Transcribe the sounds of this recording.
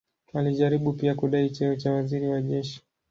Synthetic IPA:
aliʄaɾiɓupiakuɗait͡ʃɛɔt͡ʃawaziɾiwaʄɛʃi̥

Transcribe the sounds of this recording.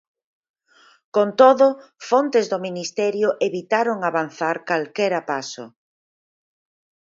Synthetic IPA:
kont̪oðʊfont̪ezðominist̪ɛɾjʊʔeβit̪aɾoŋaβan̟θaɾkalkɛɾapasʊ̰

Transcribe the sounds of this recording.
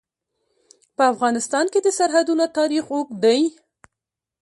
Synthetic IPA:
pəafɣɑnɪst̪ɑnked̪əsaɾɦad̪unot̪ɑɾixokd̪aj

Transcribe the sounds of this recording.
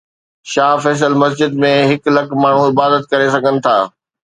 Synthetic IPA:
ʃaːfɛːs̬əlmɐs̬d͡ʑɪd̪mẽɦɪklɐkmaːɳ̤ũɪbaːd̪ət̪̚kɐɾesɐɡʱənɪ̆t̪ʰa̰ː

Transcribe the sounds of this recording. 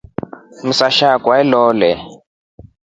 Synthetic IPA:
m̩saʃakʼwaɛlɔːlɛ

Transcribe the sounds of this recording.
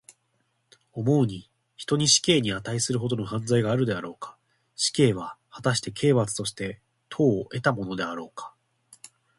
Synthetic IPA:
o̞mo̞ɯɲ̟i | çi̥t̪o̞ɲ̟iɕi̥ke̞ːɲ̟iat̪aisɨɾɯ̟ɦo̞d̪o̞no̞hãnd͡zaiɡaːɾɯ̟d̪e̞aɾo̞ːkḁ | ɕi̥ke̞ːβ̞ahat̪aɕi̥t̪e̞kʰe̞ːβat͡sɨ̥t̪o̞ɕi̥t̪e̞ | t̪ʰo̞ːʔe̞t̪amo̞no̞d̪e̞aɾo̞ːkḁ

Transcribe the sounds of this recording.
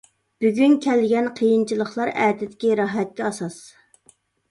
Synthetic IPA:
b̥yɡʲynkʲʰɛlɪɡʲɛnqʰəjint͡ʃʰilˠəχlˠɑɾæːt̪ɪd̪ɪ̥kʲiɾɑɦɛt̪̚kʲɛɑsɑs

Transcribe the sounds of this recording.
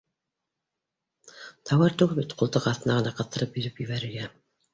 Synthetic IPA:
t̪ʰɑwɑɾt̪uʁbɘt̪qʰŏlˠt̪ɤqɑθt̪ɤ̆nɑʁɤ̆nɑqɑ̆θt̪ːɤ̆ɾɤpjɵ̆ðɵpjɵ̆βæɾɘ̆ɾɡæ

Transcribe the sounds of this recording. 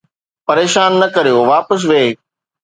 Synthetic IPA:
pɐɾeːʃaːnːɐkɐɾijoʋaːpəs̬ʋeː

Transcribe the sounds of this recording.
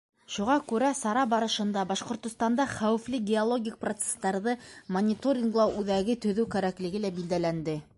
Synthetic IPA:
ʃuʁɑkʉɾæsɑɾɑbɑɾɤ̆ʃɤ̆nd̪ɑbɑʃqŏɾt̪ŏst̪ɑnd̪ɑχæwɘ̆flɘɡʲɪolˠoɡʲik̚prot̪se̥st̪ɑɾðɤmonʲɪt̪oɾʲiŋɡlˠɑʔʉðæɡɘt̪ɵ̆ðɵwkæɾæklɘ̆ɡɘlæbild̪ælænd̪ɘ

